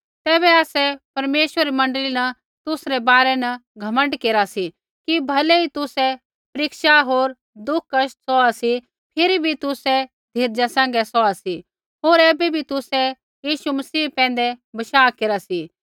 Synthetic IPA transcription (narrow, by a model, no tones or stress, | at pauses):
t̪ɛːβɛaːsɛpɐɾmeːʃʋəɾimɐ̃ɳɖəlinɐ | t̪ʊsɾɛbaːɾɛnɐɡʱɐmə̃ɳɖkeːɾasi | kibʱɐlɛit̪ʊsɛ | pɐɾɪkʃaɦoːɾ | d̪ʊkʰkːɐʃtsɔasi | pʰɪɾibʱit̪ʊsɛ | d̪ʱeːɾd͡ʒasɛ̃ːŋ̆ɡɛsɔasi | ɦoːɾɛːbɛbʱit̪ʊsɛ | jiːʃumɐsiːpɛ̃ːn̆d̪ɛbɐʃaːkeːɾasi